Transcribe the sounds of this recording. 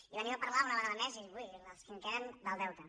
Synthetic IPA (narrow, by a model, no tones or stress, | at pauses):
iβaniapəɾlaunəβəɣaðəmɛziβujnəlˠskiŋkɛɾənd̪əlˠd̪ɛwt̪ə